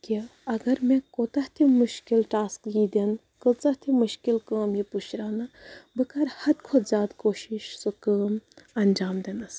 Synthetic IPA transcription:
kiɐɡɐɾmẽkoːt̪ɐht̪ʰimuʃkilʈaːskjiːd̪en | kət͡sɐht̪ʰimuʃkilkəːmjiput͡ʃʰɾaːnɐbɨkɐɾhɐd̪kʰozʲaːd̪koːʃiʃsokəːmɐnd͡ʒaːmd̪enɐs

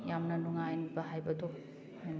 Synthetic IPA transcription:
jamnɐnuŋajnibɐɦajbɐdo | hajn

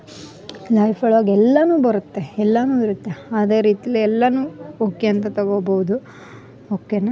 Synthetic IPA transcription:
lɐjpʰɐɭaːɡɛlːɐnuːbɐɾut̪ːe̞ɛlːɐnuːiɾut̪ːe̞aːd̪e̞ːɾiːt̪ijɐlːiɛlːɐnuːoːkeɐnt̪ɐt̪ɐɡoːbɐwud̪u | oːkːenɐ

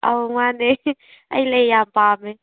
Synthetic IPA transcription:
a̰wŋane | a̰jlejampame

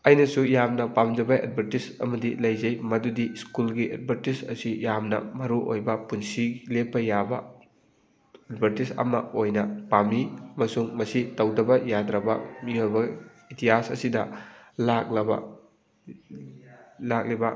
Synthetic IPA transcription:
ɐjnɐsujamnɐpamd͡ʒɐbɐʔḛd̚bʱɐɾtisɐ̰mɐdilɐjzɐjmɐdudiskulɡiʔɐ̰d̚bʱɐɾtisɐsijamnɐ̰mɐɾuʔo̰jbɐpunsiɡlep̚pɐjabɐ̰ | ɐdbʱɐɾtisɐ̰mɐojnɐpamiɐmɐsuŋmɐsitɐwdɐbɐjadɾɐbɐ̰miojbɐ | itiasɐ̰sidɐlak̚lɐbɐ̰ | lak̚libɐ

